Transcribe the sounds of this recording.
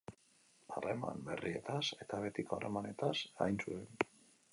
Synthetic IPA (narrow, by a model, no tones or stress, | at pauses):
are̞ma̰mbe̞rie̞̰t̪ase̞t̪aβ̞e̞t̪ikoare̞mane̞t̪asa̰jnsuen